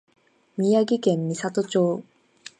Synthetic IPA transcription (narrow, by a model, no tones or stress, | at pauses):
mʲijaɡikenːisat̪ot͡ɕoː